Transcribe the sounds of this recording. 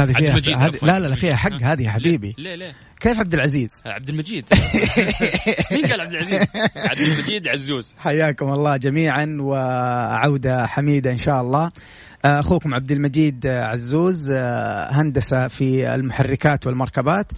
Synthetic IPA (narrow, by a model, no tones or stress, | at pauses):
aːðiiːahaːðlalalʔafiːhaħaɡːhaːðihaħabiːbie | keːfʕab̚d̪ɪlʕaziːz̥ʕab̚d̪ɪlmad͡ʒiːd̪ | ad̪ʕ | miːd̪ʕazːuːzħajːaːkʊmɑlˤːɑːd͡ʒamiːʕanwɪʕawd̪aħamiːd̪aʔɪnʃaːʔɑlˤːɑː | ʔaxuːkʊmʕab̚d̪ɪlmad͡ʒiːd̪ʕazːuːz | ɦand̪asafiɪ̰lmʊħarːɪkaːt̪wɪlmɑɾˤkabaːt̪